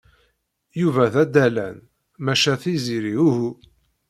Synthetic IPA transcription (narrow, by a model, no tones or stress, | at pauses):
juvæðæd̪ælæ̰n | mæʃæθiziɾiuhu